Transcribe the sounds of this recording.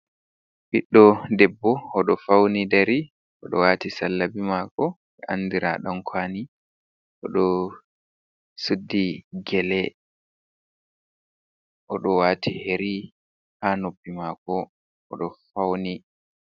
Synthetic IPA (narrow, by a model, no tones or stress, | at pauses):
biɗːɔdɛbːɔɔɗɔfawnidaɾi | ʔɔɗɔwaːtisalːabimaːkɔ | ɛʔandiɾa̰ɗamkʰaːni | ʔɔɗɔ | sudːiɡɛlɛ | ʔɔɗɔwaːtʰiheɾi | hanobːimakɔ | ʔɔɗɔfawni